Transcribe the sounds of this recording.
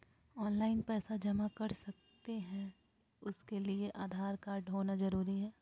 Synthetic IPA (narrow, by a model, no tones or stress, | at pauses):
ɔːnlaːɪnpɛːsad͡ʒɐmakɐɾsɐk̚t̪eɦɛ̃ | ʊskelieʔaːd̪ʱaːɾkaːɾɖɦoːnazɐɾuːɾiɦɛː